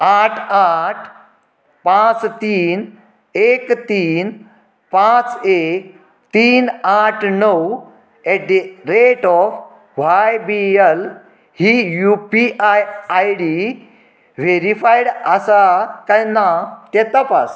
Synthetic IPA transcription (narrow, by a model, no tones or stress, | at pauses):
aʈʰaʈʰ | pãt͡st̪iːn | ekt̪iːn | pãt͡se | t̪iːnaʈʰnəw | ɛʈ̚d̪iɾeʈɔf | ʋajbiel | hijupiʔajajɽi | ʋeɾifajɽəsakajnat̪ɛt̪apas